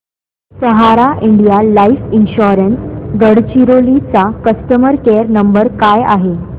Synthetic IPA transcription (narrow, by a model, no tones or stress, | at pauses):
səɦaɾaʔiɳɖijalaifinɕɔɾənsɡəɽt͡ɕiɾolit͡sakəst̪əməɾkeɾnəmbəɾkaja̰ɦe